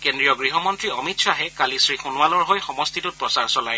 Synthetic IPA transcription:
kendɹijɔɡɹiɦɔmɔntɹiɔmitsaɦɛkalisɹixunwalɔɹɦojxɔmɔstʰitut̚pɹɔsaɹsɔlaj

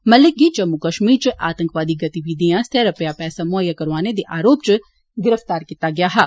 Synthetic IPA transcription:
mɐlɪk̚ɡid͡ʒɐmːukəʃmiːɾt͡ʃʔa̰ːt̪ə̃ŋkʋaːd̪iɡɐt̪iʋiːd̪ijãst̪ʰeːɾəpɪjapɛːsamʊjːakɐɾʋaːned̪eʔaːɾoːpt͡ʃ | ɡɪɾəft̪aːɾkiːt̪aɡɪjaːɦɛː

